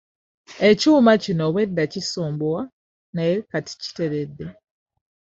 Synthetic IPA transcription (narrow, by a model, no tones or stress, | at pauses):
e̞cuːmacino̞βwe̞dːacisoːmbowa | najekati̥ci̥te̞βe̞dːe̞